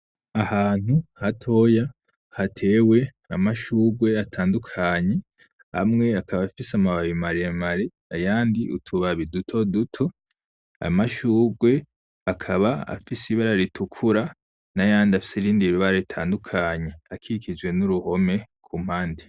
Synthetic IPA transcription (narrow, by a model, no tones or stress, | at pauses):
ahaːn̥huhatʰo̞ja | hatʰe̞ːwe̞ | amaʃuːɡwe̞atʰaːndukʰaɲe̞ | ha̰mŋe̞akaβafisamaβaβimaɾiamaɾi | ajaːndiʔṵtʰuβaβidutʰo̞dutʰo̞ | a̰maʃuːɡwe̞ | akʰaβaa̰fisiβaɾaɾitʰukʰuɾa | najaːndiafi̥siɾiːndiɾuβaɾeitʰa̰ːndukʰaɲe̞akʰikʰid͡ʒwe̞nuɾuho̞me̞kʰum̥haːndi